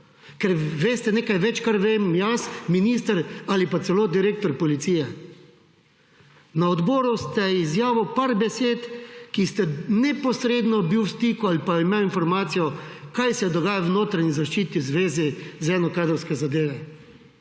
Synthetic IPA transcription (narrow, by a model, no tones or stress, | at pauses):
kɛɾʋeːst̪ɛnekajʋɛt͡ʃkaɾʋemjasminist̪əɾalipat̪sɛloːd̪iɾeːk̚t̪ɔɾpɔlit̪sijɛ | naɔd̪bɔːɾust̪ɛizjaːʋɔpaɾbɛseːt̪kist̪ɛnɛpɔsɾeːd̪nɔbiwst̪iːkualipaimewinfɔɾmaːt̪sijɔkajsɛd̪ɔɡaːjawnoːt̪ɾaɲizaʃt͡ʃiːt̪izʋeːzizɛnɔkaːd̪ɾɔwskɛzad̪eːʋɛ